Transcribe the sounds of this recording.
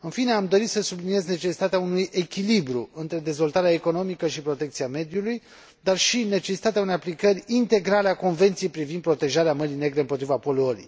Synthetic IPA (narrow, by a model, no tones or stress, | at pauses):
ɨnfine̞amd̪o̞ɾit̪səsublinije̞zne̞t͡ʃe̞si̥t̪at̪eaunujʔe̞kʲilibɾuɨnt̪ɾe̞d̪e̞zvo̞lt̪aɾeaeko̞no̞mikəʃipɾo̞t̪e̞kt̪siame̞d̪juluj | d̪arʃine̞t͡ʃe̞si̥t̪at̪eaunejaplikərʲint̪e̞ɡɾaleako̞nve̞nt̪sijejpɾivind̪̚pɾo̞t̪e̞ʒaɾeaməɾine̞ɡɾe̞ɨmpot̪ɾivapo̞luoɾḭj